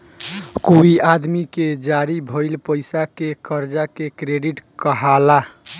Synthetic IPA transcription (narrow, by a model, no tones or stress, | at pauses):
kuiad̪miked͡ʒaɾibʱəɪlpəɪsakekəɾd͡ʒakekɾeɖiʈkəɦala